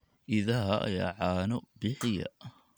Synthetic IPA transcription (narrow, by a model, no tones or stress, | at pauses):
ʔɪðɐɦɐɐ̰ja̰ːʕaːnɔbɪħɪjɐ̰